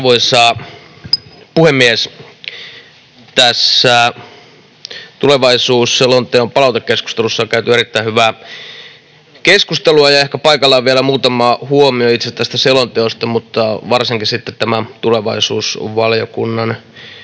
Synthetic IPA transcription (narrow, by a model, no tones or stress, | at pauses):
ʋoisɑː | puhemːies | t̪æsːæ | t̪uleʋɑisuːsselont̪eompɑlɑˑut̪ekkesku̥st̪elusːɑkæyt̪yeɾit̪ːæihyʋæː | keskust̪eluɑjɑehkæpɑikɑlːɑʋielæmuːt̪ɑmɑːhuomioit̪sest̪æst̪æselont̪eost̪ɑmut̪ːɑʋɑrsiŋkisit̪ːet̪t̪æmæt̪uleʋɑisṵːsʋɑljokunːɑn